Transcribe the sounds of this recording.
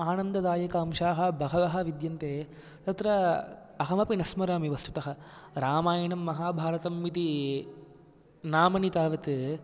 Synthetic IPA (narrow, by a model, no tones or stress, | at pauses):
aːnɐnd̪ɐd̪aːjɐkɐɐmʃaːɦɐbɐɦɐʋɐɦɐ̆ʋid̪jɐnt̪eː | t̪ɐt̪ɾɐ | ɐɦɐmɐpinɐsmɐɾaːmiʋɐst̪u̥t̪ɐɦɐɾaːmaːjɐɳɐmːɐɦaːbʱaːɾɐt̪ɐmːit̪i | naːmɐnit̪aːʋɐt̪